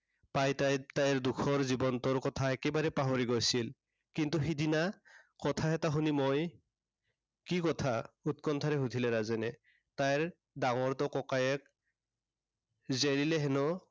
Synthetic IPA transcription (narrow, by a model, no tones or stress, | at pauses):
pajtatajɹdukʰɔɹzibɔntɔɹkɔtʰaɛkɛbaɹɛpaɦoɹiɡojsil | kintuɦidinakɔtʰaɦɛtaɦunimoj | kikɔtʰaut̚kɔntʰaɹɛɦutʰilɛɹazɛnɛ | tajɹ | daŋɔɹtɔkɔkajɛk̚ | zelilɛɦɛnɔ